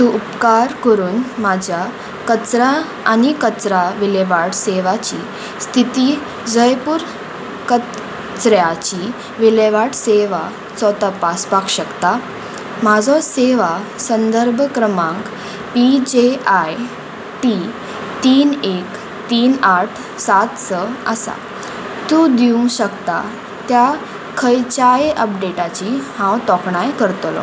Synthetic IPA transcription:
t̪uʔupkaɾkəɾuːnmad͡ʑʱja | kət͡sɾa | anikət͡sɾaʋiləʋaʈseʋat͡ɕi | st̪ʰit̪iː | d͡zəjpuːɾ | kə | t͡sɾjat͡ɕi | ʋileʋaʈseʋa | t͡sɔt̪apaspakɕəkt̪a | mad͡zʱɔseʋasənd̪əɾbʱkɾəmãŋk | pid͡ʑeaj | ʈi | t̪iːnek | t̪iːnaʈʰ | sat̪səəsa̰ | t̪ũd̪iũŋɡɕəkt̪a | t̪ja | kʰəjt͡ɕajʔəpɖeʈat͡ɕihãwt̪ɔkɳajkəɾt̪lɔ̰

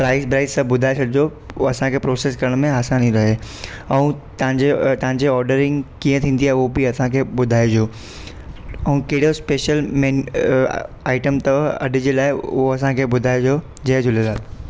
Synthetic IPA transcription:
pɾaːɪspɾaːɪzsɐ̃bʊd̪ʱaːesʰɐɽɪd͡ʑo | ɐsãkʰeːpɾoːseːskɐɾəɽ̃mẽaːsãnĩɾɐɦe | ɛũt̪ɐãɲd͡ʑet̪ɐɦãɲd͡ʑeɔːɾɖəɾɪ̃ŋɡkiːə̃t̪ʰĩːn̆d̪iaːɦeobiɐsãkʰeːbʊd̪ʱaːed͡ʑoː | ɛ̃ũkɐɦɪɽ̤ospeːʃəlme | aːɪʈəmt̪ɐɐ̰ɗɪ̆d͡ʑeːlaːɪʊɦoɐsãkʰeːbʊd̪ʱaːed͡ʑoː | d͡ʑɐɦd͡ʑʊlelaːt̪

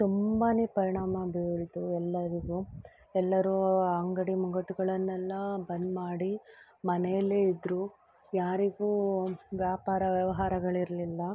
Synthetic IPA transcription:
t̪umbaːneːpɐɾiɳaːmɐbeɭit̪uɛlːɐɾiɡuː | ɛlːɐɾuɐŋɡɐɽimuɡɐʈuɡɐɭɐnːɛlːɐbɐnd̪maːɽi | mɐnɛjɐlːeːid̪ɾuː | jaːɾiɡuːʋjaːpaːɾɐʋjɐʋɐɦaːɾɐɡɐɭiɾɐlilːɐ

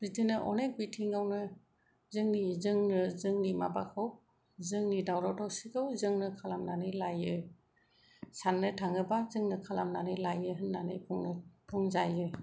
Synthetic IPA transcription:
ɾitɯnɯʔɔ̰nek̚bitʰiŋawnɯ | zɯŋnizɯŋnɯzɯŋnimabakʰɯw | zɯŋnidawɾawdawsikʰɯwzɯŋnɯkʰalamnanɯjlajɯ | sanːɯtʰaŋɯbazɯŋnɯkʰalamnanɯjlajɯɦɯnːanɯjpʰɔŋnpʰɔŋzajɯ

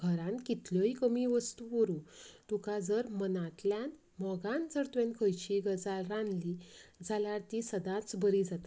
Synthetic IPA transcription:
ɡʱəɾãnkit̪ljɔɦikəmiʋəst̪uʋəɾũt̪ukad͡zəɾmənat̪ljan | mɔɡãnd͡zəɾt̪ʋẽnkʰəjt͡ɕiɡəd͡zalɾãnlid͡zʱaljaɾt̪isəd̪ãt͡sbəɾid͡zat̪a

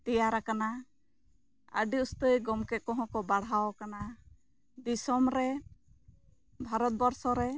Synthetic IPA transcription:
t̪ɛjaɾakana | ə̰ɖiust̪əjɡɔmkɛkɔɦɔ̃kɔbaɽɦawkana | d̪isɔmɾɛ | bʱaɾɔt̪̚bɔɾsɔɾɛ

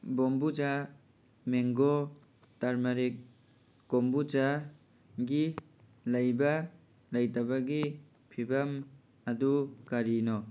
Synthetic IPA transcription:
bombud͡ʒa | meŋɡɔ | taɾmaɾekː | ombut͡ʃa | ɡi | lajba | lajtabaɡi | pʰibam | adukaɾinɔ

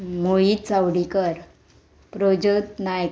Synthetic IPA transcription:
mojit͡sawɽikəɾ | pɾod͡ʑət̪naj

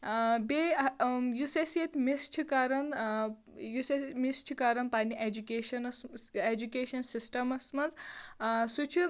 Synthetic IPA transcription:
be | juseset̪ʲmist͡ʃʰikaɾɐn | jusemist͡ʃʰikaːɾɐnpaːniʔed͡ʒukʲeːʃɐnɐsed͡ʒukeːʃɐnsisʈɐmɐsmɐnz | sut͡ʃʰu

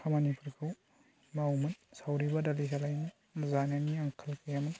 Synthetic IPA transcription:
kʰamanipʰuɾkʰɯw | mawmɐnsawɾibadɐlisalajni | mɐzanjaniɐŋkʰɐlkʰejamɐn

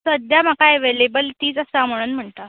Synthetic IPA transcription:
səd̪jam̤akaeʋelebəlt̪iːd͡zəsaməɽ̃unm̤əɳt̪a

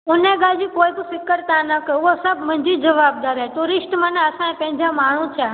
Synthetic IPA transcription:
ũneɡad͡ʒikojk̪usɪkːəɾt̪ãnəkəuosəbmənd͡ʒid͡ʒəʋaːb̚d̪aɾɛt̪oɾɪʃʈmanãəsãẽpɛ̃ɲd͡ʒãmaːɽ̤̃ũt͡ʃʰɛ

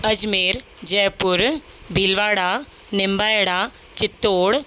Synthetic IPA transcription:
ɐd͡ʒmeːɾ | d͡ʒɐːpːuɾbilʋaːɽaː | nɪmbaːjɐɽaː | t͡ʃɪt̪ːoːɽ

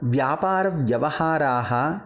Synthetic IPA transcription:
ʋjaːpaːɾɐʋʋjɐʋɐhaːɾaːɦɐ̆

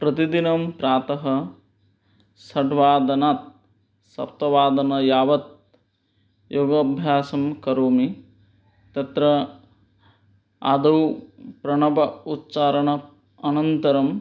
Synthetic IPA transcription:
pɾɐt̪id̪inɐmpɾaːt̪ɐɦɐ̆ | sɐʈʋaːd̪ɐnaːt̪̚ | sɐ̰p̚t̪ɐʋaːd̪ɐnɐjaːʋɐt̪̚ | joːɡɐbʱjaːsɐmkɐɾoːmi | t̪ɐt̪ɾɐ | a̰ːd̪ɐwpɾɐɳɐbɐut̪t͡ʃaːɾɐɳɐ | ɐnɐnt̪ɐɾɐm

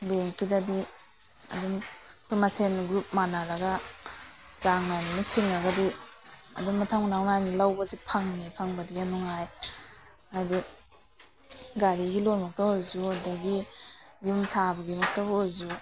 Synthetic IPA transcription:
beŋkidadi | ɐ̰dumpʰimasenɡɾup̚manaɾaɡa | zaŋnajninuk̚siŋaɡadiɐ̰dummatʰaŋnaŋnajnilawbazipʰaŋnipʰaŋbadianɔŋaj | ajdi | ɡaɾiɡilonmak̚tahojzudaɡijumsʰabaɡimak̚taɦozu

